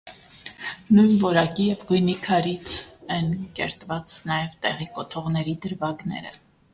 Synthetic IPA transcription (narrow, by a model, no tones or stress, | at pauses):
nujnvɔɾɑkijɛvɡujnikʰɑɾit͡sʰɛnkɛ̰ɾt̪vɑt͡snɑjɛvt̪ɛ̰ʁikɔt̪ʰɔʁnɛɾid̪əɾvɑɡnɛ̰ɾə̰